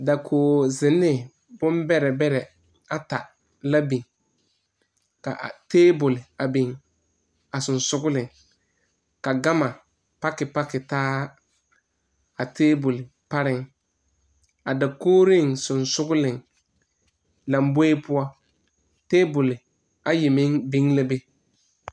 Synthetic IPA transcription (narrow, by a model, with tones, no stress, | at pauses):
da˨kʰoː˨zɪ˨nːɪ˦ | bʊ˦mbɛ˦ɾɛ˨bɛ˦ɾɛ˨ | a˨ta˨ | la˦bi˨ŋ | ka̰˨ʔteː˦bʊ˨lɪ˨a˨bi˨ŋ | a˨sʊ˨nsʊ˦ɡʊ˦lɪ˨ŋ | ka˨ɡa˦ma˨ | pa˦kɪ˨pa˦kɪ˨taː˦ | a˨tʰeː˦bʊ˨lɪ˨ | pa˦ɾɪ˨ŋ | a˨da˨koː˦ɾɪ˦˨ŋsʊ˨nsʊ˦ɡʊ˦lɪ˨ŋ | la˨mbo˦e˦pʊ˦ɔ˦ | teː˦bʊ˨lɪ˨ | a˨je˨mɪ˦ŋbi˦ŋla˦be˦